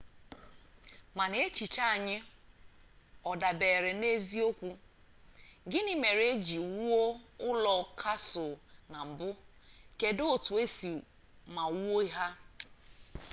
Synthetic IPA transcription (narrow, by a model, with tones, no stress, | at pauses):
ma˨ne˦e˦t͡ʃi˨t͡ʃa˦a˨ɲɪ˦ | ɔ˨da˨be˨ɾe˨ne˦zi˦o˦kʷu˦ | ɡɪ˦nɪ˦me˨ɾe˦d͡ʒi˨wu˦o˦ʊ˦lɔ˨kʰa˦sʊ˨na˨m̩˨bʊ˦ | ke˨do˨tu˨e˦si˨ | ma˨wu˦o˦i˦ɦa˦